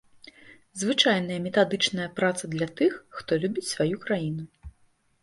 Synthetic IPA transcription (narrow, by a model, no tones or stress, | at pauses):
zvɨt͡ʂajn̪ɐjɐmʲɛt̪ad̪ɨt͡ʂnɐjɐpɾat̪sɐd̪lʲɐt̪ɨxːt̪ɔlʲubʲit͡sʲsvajukɾajinu